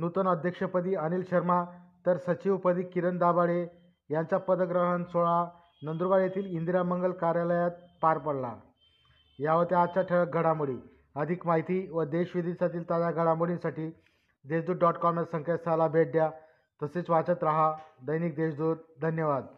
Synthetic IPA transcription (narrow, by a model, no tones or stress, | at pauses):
nut̪ənəd̪ʱjəkʂəpəd̪iːənilɕəɾmat̪əɾsət͡ɕiʋpəd̪iːkiɾənd̪abaɭe | jaɲt͡ɕapəd̪əɡɾəɦənsoɭa | nənd̪ɾuʋaɭjet̪iːlind̪iɾaməŋɡəlkaɾjaləjat̪̚paɾpəɽla̰ | jaʋəɾt̪ead̪̚t͡ɕaʈʰəɭək̚ɡʱəɽamuɭḭː | əd̪ʱikmaɦit̪iʋəd̪eɕʋid̪ʱisat̪iːlt̪ad͡zaɡʱəɽamuɭĩnsaʈiː | d̪eɕd̪uːɾɖɔʈkɔmnəɾsəŋket̪salabʱeɖja | t̪əset͡sʋat͡sət̪ɾaɦad̪əjnik̚d̪eɕd̪uːɾd̪ʱənjəʋad̪